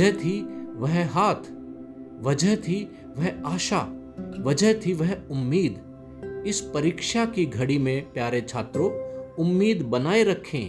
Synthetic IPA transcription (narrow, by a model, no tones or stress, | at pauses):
əɦt̪ʰiʋɐɦɦaːt̪ʰ | ʋɐd͡ʒəɦt̪ʰi | ʋɐɦaːʃa | ʋɐd͡ʒəɦt̪ʰiʋɐɦʊmːiːd̪ | ɪspɐɾiːkʃakiɡʱɐɽimẽpjaːɾet͡ʃʰaːt̪ɾõʊmːiːd̪bɐnaːeɾɐkʰḛ̃ː